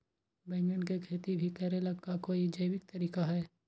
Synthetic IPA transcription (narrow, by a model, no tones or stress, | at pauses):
bɛ̃ːŋɡənkekʰeːt̪ibʱikɛːɾelɐɡkakoːid͡ʒəɪwɪk̚t̪ɐɾiːkaɦɛː